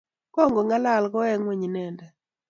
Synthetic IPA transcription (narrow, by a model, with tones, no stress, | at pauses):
kɔ˦˨ŋɡɔ˨ŋɡa˦la˦˨lɡɔ˦ɛ˦ŋwe˨ɲi˨nɛ˨ndɛ˨